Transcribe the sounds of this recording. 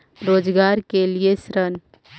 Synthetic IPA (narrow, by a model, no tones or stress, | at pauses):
ɾoːd͡ʒɡaɾkelijesɾən